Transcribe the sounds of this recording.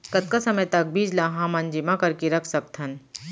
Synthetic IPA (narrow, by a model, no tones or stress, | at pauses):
kɐt̪̚kasɐməjt̪ɐk̚bʱiːd͡ʒlaɦãmɐnd͡ʒɪmakɐɾkeɾɐkʰsɐk̚t̪ʰɐn